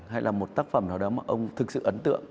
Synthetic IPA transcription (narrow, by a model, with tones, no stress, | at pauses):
ha˧jlʔaː˨˩mo˨˩t̚t̪aː˦˥k̚fə˧˩mnaː˨˩ɗɔ˨˦maː˨˩ʔə˧wŋ͡mt̪ʰɨ˨˩k̚sɨ̰˧˨ʔə˨˦nt̪ɨ̰˧˨əŋ